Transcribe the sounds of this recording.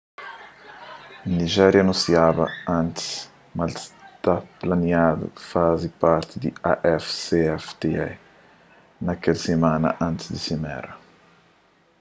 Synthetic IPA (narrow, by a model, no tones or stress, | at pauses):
niʒɛɾjɐnũsiabɐ̰ãnt̪ɪ̥s | malst̪aplaniad̪ṵfazipaɾt̪id̪iaʔɛfseɛft̪eɛ | nɐkɛlsemãnɐ̰ʔɐ̃nt̪ɪ̥sd̪isimɛ̰ɾɐ